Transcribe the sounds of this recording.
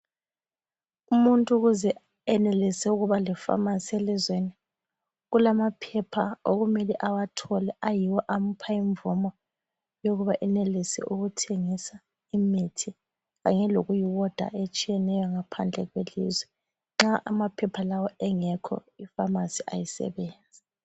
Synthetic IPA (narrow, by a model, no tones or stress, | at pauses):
umuntʼuɣuzɛ | ɛnɛlisɛuɣuβalifa̰masielizweni | ɣulamapʰɛpʰaoɣumeliʔawatʰɔlɛajiwɔʔam̩pʰaiɱbvumɔ | joɣuβaʔɛnelisɛ̰ʔuɣutʰeŋisa | imitʰi | ɣa̰ɲɛloɣujiwɔd̥ʱa̰ʔet͡ʃʼijɛnɛjɔŋapʰand͡ɮʱɛ̰ɣwelḭzwɛ | ŋ͡ǁaʔamapʰɛpʰalawɔɛŋɛkʰɔ̰ifamasiʔa̰jisɛ̰βeːnd͡zʱi